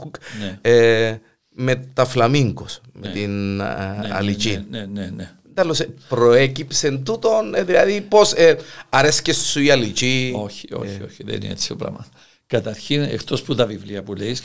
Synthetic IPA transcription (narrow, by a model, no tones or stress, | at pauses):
kne | met̪aflamiŋɡosmet̪in | a̰lit͡ʃinenene | d̪alːosepɾoekipsent̪ut̪onðilɐðiposeɐɾeskessuialit͡ʃioçi̥o̰çioçiðḛnḭet͡si̥oplɐ̰mɐt̪ | kɐt̪ɐɾçinḛkt̪osput̪ɐvivliɐpulejs